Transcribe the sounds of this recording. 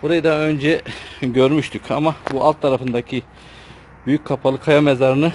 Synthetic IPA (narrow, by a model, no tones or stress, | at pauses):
buɾajɯd̪aø̞nd͡ʒɛɟø̞ɾmyʃt̪ʰycʰamabuʔalˠt̪ʰːaɾafɯnd̪acʰi | byjyc̚ʲkʰːapʰalˠɯkʰajamɛzaɾɯnɯ